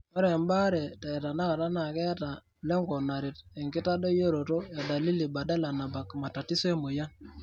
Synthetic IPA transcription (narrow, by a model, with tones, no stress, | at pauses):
mɔ˦ɾe˨mba˦ɾɛ˨ta˨i˨ta˨na˦ka˨ta˦na˨kɛ˦ja˦ta˨ | lɛ˦ŋɡɔ˨na˨ɾi˨t̚ɛ˨ŋkɪ˦ta˦do˦jo˦ɾo˨to˦ja˨da˨li˦li˨ba˨da˦la˨na˨ba˨kma˨ta˨ti˦se˦mo˨ja˦n